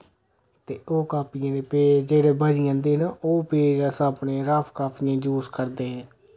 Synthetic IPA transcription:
t̪eːoːkaːpɪjãːd̪eːpeːd͡ʒd͡ʒeːɽeːbad͡ʒiːãːnd̪eːnaoːpeːd͡ʒaːsaːpnẽːɾaːpʰkaːpɪjãːd͡ʒuːskəɾd̪eːɦɛ̃ː

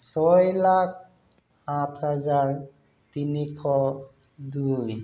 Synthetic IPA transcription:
sɔjlak̚ʰ | atʰhazaɹ | tinikʰɔ | duj

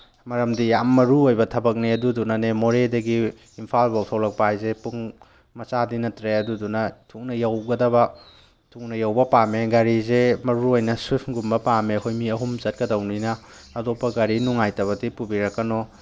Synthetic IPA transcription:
mɐɾɐmdijamːɐɾuojbɐtʰɐbɐk̚niɐdudunɐnemoɾedɐɡiː | mpʰalbawtʰawlɐk̚pajzepuŋ | mɐt͡ʃadinɐtɾeɐdudunɐtʰuk̚nɐjawɡɐdɐbɐ | tʰuk̚nɐjawbɐpameɡaɾizemɐɾuojnɐswipʰɡumbɐpamehʰojmiɐɦumzɐt̚kɐdɐwninɐː | dɔpːɐɡaɾinuŋajtɐβɐk̚dipubiɾɐkːɐnɔ

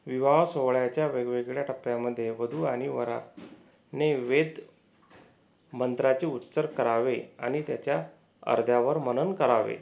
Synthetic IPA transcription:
ʋiʋasoʋɭjat͡ɕjaʋeɡʋeɡɭjaʈʰəpjaməd̪ʱːjeʋəd̪ʱuːaɽ̃iʋəɾa̰ | neʋed̪ | mənd̪ɾat͡ɕeut̪ːsəɾkəɾaʋea̰ɽ̃it̪jat͡ɕja | ə̰ɾd̪ʱjaʋəɾmənənkəɾaʋḛ

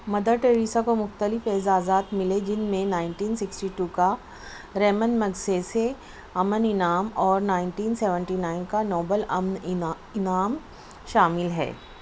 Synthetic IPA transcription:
mɐd̪əɾʈeːɾiːsakomʊxt̪əlɪfezaːzaːt̪mɪled͡ʒɪnmẽnaːɪɳʈiːnsɪksʈiːʈuːka | ɾɛːmənmɐɡsese | ɐmənɪnaːmɔːɾnaːɪɳʈiːnsɛːʋə̃ɳʈiːnaːɪnkanɔːbəlɐmnɪ | ɪnaːm | ʃaːmɪlɦɛ̰ː

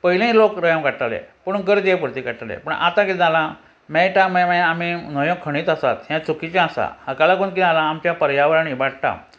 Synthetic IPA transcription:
pəɦilẽĩlokɾəjə̃mkaʈalḛpəɳ̃ũɡəɾd̪jepuɾt̪ikaʈalḛpəɳʔa̰t̪ãkid͡zalã | mɛʈamɛ̃maaminəjɔ̃kʰəɽ̃iːt̪əsa̰t̪ɦjãt͡sukit͡ɕãasa̰hakalakunk̬ialãːmt͡ɕjapəɾjaʋɾañibaɽt̪ã̰

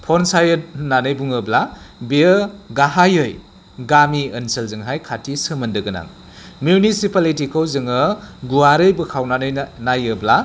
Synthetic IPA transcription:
pʰɔnsajɯt̚nanɯjbuŋɯblabiəɡaɦajɯj | ɡamiɐnsɐlzɯŋɦajkʰatʰisəmɐndɯɡɐna̰ŋ | mjunisipalitikʰɐwzɯŋɯɡuwaɾɯjbɯkʰawnanɯjnajɯbla

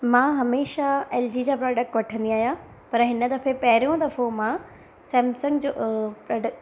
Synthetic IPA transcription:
mãːɦɐmeːʃaeːld͡ʑid͡ʑaːpɾɔːɖək̚ʈʋɐʈʰə̃nd̪iaːɦijã | pɐɾɦɪnə̆d̪ɐfepɐɦɪɾijõd̪ɐfomã | sɛ̃ːmsə̃ŋɡd͡ʑopɾɔːɖək

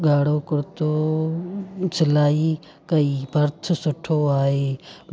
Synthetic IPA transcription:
ɡaːɽoːkʊɾt̪oː | sɪlaːi | kɐiːbʱɐɾt̪ʰʊsʊʈʰoːaːɦeː

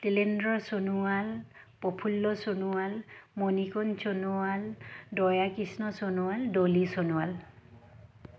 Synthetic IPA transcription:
tilendɹɔsonualpɔpʰulːɔsonuwalmonikɔnsonualdɔjakisnɔsonuwaldolisonuwal

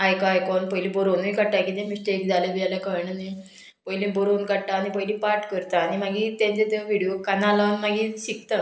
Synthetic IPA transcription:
ajkajkɔnpəjlibɔɾonikəɽʈakit̪ẽmisʈekd͡zalebijalekəɭɳani | pəjlĩbɔɾonkəɽʈaːnipəjlipaɾʈkəɾt̪aːnim̤aɡit̪ẽnt͡set̪eʋiɽijokanalanmaɡiɕik̚t̪a

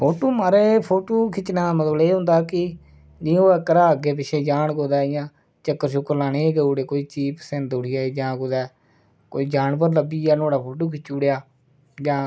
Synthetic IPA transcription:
pʰoːʈoːmaːɾeːpʰoːʈoːkʰɪt͡ʃːnaːmət̪əleːɦʊ̃nd̪aːkɪ | d͡ʒĩoːəkəɾaːəɡeːpɪʃʰeːd͡ʒaːɳkoːd̪aːjãː | t͡ʃəkːəɾʃʊkəɾlaːneːɡeːuːɽeːkoːiːt͡ʃiːpsend̪ʊɽiːaːeːd͡ʒãːkoːd̪ɛː | koːiːd͡ʒaːɳp̬əɾləbiːaːnoːɽaːpʰoːʈoːkʰɪt͡ʃːuːɽejaː | d͡ʒãː

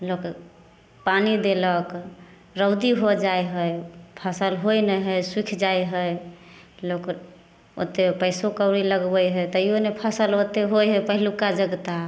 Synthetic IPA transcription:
lok | panid̪elək | ɾəʊd̪iɦod͡ʒajɦəjpʰəsəlɦojnəɦəjswikʰd͡ʒajɦəj | lok | o̰t̪epəjsokəʊɾiləɡbəjɦəjt̪əjonepʰəsəlot̪eɦojɦəpəɦilukad͡ʒəɡt̪a

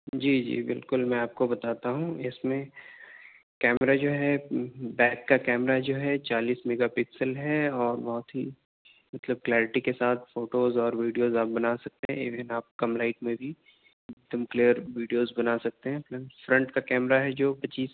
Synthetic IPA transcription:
d͡ʒiːd͡ʒḭːbɪ̰lkʊlmɛ̃aːp̚kobɐt̪aːt̪aɦũɪsmẽ | kɛːmɾad͡ʒoːɦɛbɛːkːakɛːmɾad͡ʒoːɦɛt͡ʃaːliːsmeːɡapɪksəlɦɛɔːɾbɔɦʊt̪ɦi | mɐt̪ləb̚klɛːɾɪʈikesaːt̪ʰfoːʈoːzɔːɾʋiːɖijoːzaːp̚bɐnaːsɐk̚t̪eɦɛ̃ɪʋɛ̃naːp̚kɐmlaːɪʈmẽbʱi | ɪk̚d̪əmklijəɾʋiːɖijoːzbɐnaːsɐk̚t̪eɦɛ̃flɛmfɾɐ̃ɳʈkakɛːmɾaɦɛd͡ʒoːpɐt͡ʃiːs

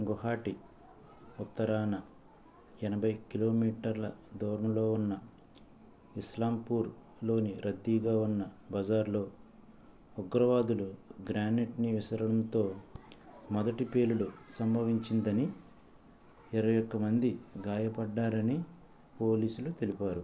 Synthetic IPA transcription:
ŋɡɔɦaːʈi | ut̪ːɐɾaːnɐ | ɛnɐbʱɐjkilo̞ːmiːʈɐɾlɐ̰d̪ɔːɾɐnɐlo̞ːunːɐ | islaːmpuːɾ | lo̞ːniɾʔɐd̪ːiːɡaːunːɐbɐd͡ʒaːɾlo̞ː | uɡɾɐʋaːd̪uluɡɾaːneʈniʋisɐɾɐɽɐnt̪o̞ː | mɔd̪ɐʈipe̞ːluɽusɐmbʱɐʋiɲt͡ʃind̪ɐni | ɛɾɐʋjɔkːɐmɐnd̪iɡaːjɐpɐɖːaːɾɐni | po̞ːliːsulut̪elipaːɾu

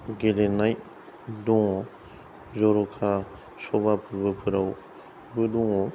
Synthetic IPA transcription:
ɡelenaj | dɔŋɔ | zɔɾɔkʰa | sɔbapʰɯɾbɯpʰɯɾaw | bɯduŋɔ

